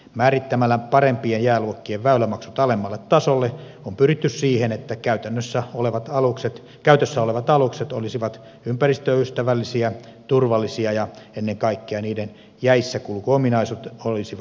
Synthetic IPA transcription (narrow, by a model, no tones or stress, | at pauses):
mæːrit̪ːæmælːæpɑrempiejjæːluokːieʋʋæylːæmɑksut̪ɑlemːɑlːet̪t̪ɑsolːe | ompyrit̪ːyssiːhenet̪ːækæyt̪ænːøsːæoleʋɑt̪ɑlukset̪ | kæyt̪øsːæoleʋɑt̪ɑlukset̪olisiʋɑt̪ | ympærist̪øyst̪æʋælːisiæt̪urʋɑlːˑisiɑjɑenːeŋkɑikːeɑniːden | jæisːækulkuominɑisut̪olisiʋ